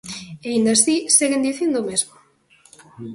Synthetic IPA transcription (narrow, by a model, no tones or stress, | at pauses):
eind̪asiseɣend̪iθend̪omezmo